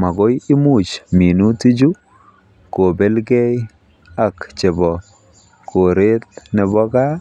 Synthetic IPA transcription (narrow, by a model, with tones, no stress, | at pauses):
ma˨ɡo˦jɪ˦mu˦˨t͡ʃmi˨nu˦ti˦d͡ʒu˦ | ko˨be˦lɡe˦j | a˨kt͡ʃe˨bɔ˨ | kʰo˨ɾe˦t̪̚nɛ˨bɔ˦ɡa˦